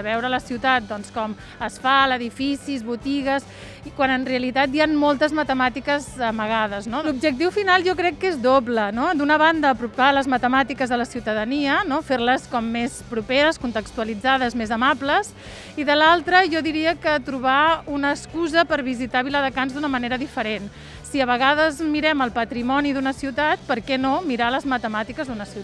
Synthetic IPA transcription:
əβɛwɾələsiwt̪at̪̚d̪ɔnskɔm | əsfaləðifisizβut̪iɣəs | ikwanənreəlit̪at̪janmɔlˠt̪əzmət̪əmat̪ikəzəməɣ̞aðəznolub̚ʒək̚t̪iwfinalˠʒɔkɾɛkːezðoblənod̪unəβand̪əːpɾupaləzmət̪əmat̪ikəzðələsiwt̪əðəniənofeɾləskɔmːespɾupeɾəskunt̪əkst̪uəlid͡zaðəzmezəmabləs | iðəlalˠt̪ɾəʒɔðiɾiəkət̪ɾuβ̞aunəːskuzəpəɾβizit̪aβiləðəkanzd̪unəməneɾəðifəɾen | siəβəɣ̞að̞əzmiɾɛməlˠpət̪ɾimɔniðunəsiwt̪at̪̚pəɾkɛnomiɾaləzmət̪əmat̪ikəzðunəsiwt̪

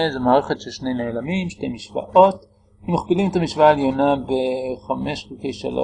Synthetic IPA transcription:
zemaːʁeχetʃelʃne̞jne̞ːlamimʃtejmiʃva̰ʔo̞t | imaχpilimet̪amiʃvaaeljo̞nabeχameʃχilkejʃa̰lo̰

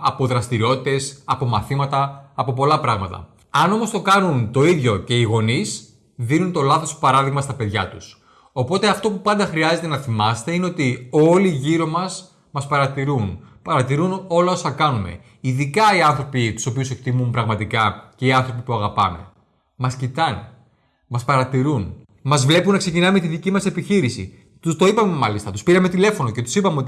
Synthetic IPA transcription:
ɐpo̞ðɾɐst̪iɾio̞t̪it̪e̞sɐpo̞mɐθimɐt̪ɐːpo̞p̬o̞lɐpɾɐɣmɐt̪ɐ̰ | ɐno̞most̪o̞kɐnunt̪o̞iðʝo̞ce̞iɣo̞nis | ðinunt̪o̞lɐθo̞spɐɾɐðiɣmɐst̪ɐpe̞ðʝɐt̪us | o̞po̞t̪e̞ɐft̪o̞pupɐnd̪ɐxɾiɐze̞t̪enɐθimɐse̥t̪e̞ineo̞t̪io̞liːʝiɾo̞mɐs | mɐspɐɾɐt̪iɾunpɐɾɐt̪iɾuno̞lɐo̞sɐkɐnume̞̰ | iðikɐiɐnθɾo̞pit̪u̥so̞piuse̞k̚t̪imumpɾɐɣmɐt̪ikɐce̞iɐnθɾo̞pipuɐɣɐpɐ̰me̞̰ | mɐscit̪ɐn | mɐspɐɾɐt̪iɾun | mɐzvle̞punːɐkse̞cinɐmet̪iðicimɐse̞piçiɾisḭ | t̪ust̪o̞ipɐme̞mɐlist̪ɐt̪uspiɾɐme̞t̪ile̞fo̞no̞ce̞t̪u̥sipɐmeo̞t̪i

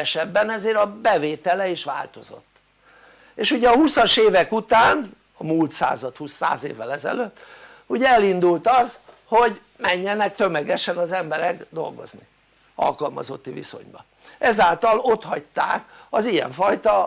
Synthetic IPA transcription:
ɛʃɛbːɛnɛzeːɾɒbɛveːt̪ɛlɛiʃʋa̰ːlt̪o̞zo̞̰t̪ː | eːʃuɟɛɒhusɒʃeːvɛkut̪aːn | ɒmult̪sa̰ːzɒt̪husːa̰ːzeːvːɛlɛzɛ̰løt̪ː | uɟɛɛlind̪ult̪ɒz | ho̞ɟ | mɛɲːɛnɛk̚t̪ø̞mɛɡɛʃɛnɒzɛmbɛɾɛɡd̪o̞̰lɡo̞̰zni | ɒ̰lkɒlmɒ̰zo̞t̪ːivḭso̞̰ɲbɒ | ɛzaːlt̪ɒlo̞t̪hɒc̚t̪a̰ːkɒzijɛ̰ɱfɒjt̪ɒ

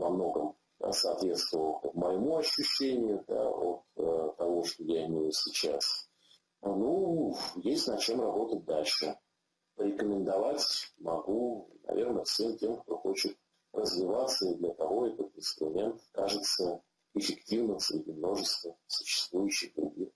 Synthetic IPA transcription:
vɐmno̞ɡəm̰ | səːt̪vʲe̞t̪st̪vəvəlˠk̪əməjɪmuɐɕːʉɕːenʲɪjʊd̪a̰ot̪ət̪ːɐvo̞ʂt̪o̞jaɪmʲejʊsʲɪt͡ɕa̰s | nujesʲtʲnɐt͡ɕe̞mrɐbo̞t̪ət̚ʲd̪alʲʂɨ | pəɾʲɪkəmʲɪnd̪ɐvatʲmɐɡunɐ̰vʲe̞rnəfsʲemtʲe̞mkt̪o̞xo̞t͡ɕɪt̪̚ | rəzvʲɪvat̪səid̪lʲət̪ɐvo̞ɛt̪ət̪ɪnst̪ɾʊmʲent̪kaʐɨt̪sə | ɪfʲɪktʲivnɨmsɾʲɪdʲɪmno̞ʐɨst̪vəsʊ̥ɕːɪ̥st̪vujʉɕːɪjd̪ʊ̰dʲḭ

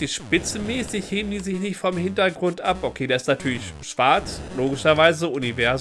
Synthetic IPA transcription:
iʃpɪt͡sn̩mɛːsɪçheːbən̩diːzɪçnɪçtfɔmhɪntɐɡʁʊntʔa̰pʔokʰeːdaːɪstnatʰyːɐlɪçʃv̥aɐt͡sloːɡɪʃɐvaɪzəʊnivɛɐz

